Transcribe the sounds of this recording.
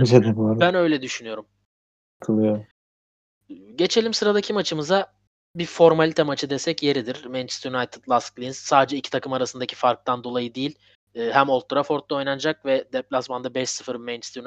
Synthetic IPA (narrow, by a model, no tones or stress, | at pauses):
yzed̪ɛbˠaɾbænø̞jlʲɛd̪yʃynyjo̞ɾum | kʰɯlˠɯjoɾ | ɟe̞t͡ʃʰe̞lʲimsɯɾad̪akcʰimat͡ʃʰɯmɯza | bifo̞ɾmalʲit̪ʰɛmat͡ʃʰɯd̪esɛcje̞ɾid̪iɾ̥ment͡ʃst̪junajt̪ʰɯ̥d̪lˠasklʲinz̥saːd̪ed͡ʒɛicʰit̪ʰakʰɯmaɾasɯnd̪acʰi̥faɾk̚t̪ʰand̪o̞lˠajɯd̪ijilʲː | ɦæmo̞lt̪ʰːuɾafo̞ɾt̪lˠao̞jnand͡ʒak̚vɛd̪ɛplʲasmand̪abɛʃsɯfɯɾment͡ʃst̪un